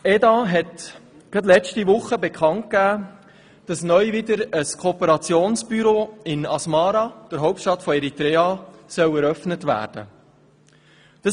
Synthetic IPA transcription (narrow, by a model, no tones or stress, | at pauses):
ɛdɑɦɛt | ɡ̥ɑt̪̬lɛt͡ʃtiʋʊχːəbɛkχɑnt̚kæː | d̥ɑsnœjvɪdəɾəskʰoːpəɾɑt͡sjoːnsb̥yɾoːɪnɑsmɑːɾɑd̥əɾɦɔwp̚tʃtɑt̪fɔɛɾit̪ɾɛːɑsœwɛɾœfnətʋæ̰ːɾd̥ə̰ | d̥ɑ